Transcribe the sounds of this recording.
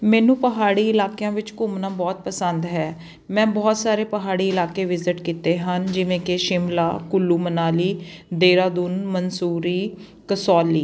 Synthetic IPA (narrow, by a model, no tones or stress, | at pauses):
mɛːnũːpəɦaːɽiːɪlaːkjãːʋɪt͡ʃkʊmnãːbɔːt̪̚pəsənd̪ɦɛː | mɛ̃ːbɔːt̪saːɾeːpəɦaːɽiːɪlaːkeːʋɪzɪʈkiːt̪eːɦənd͡ʒɪʋẽːkɪʃɪmlaːkʊlːuːmənaːliːd̪eːɾaːd̪uːnmənsuːɾiː | kəsɔːlːiː